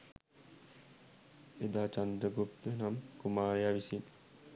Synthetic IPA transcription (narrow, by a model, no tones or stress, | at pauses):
ed̪aːt͡ʃand̪ɾəɡup̚t̪ənamkumaːɾejaʋisin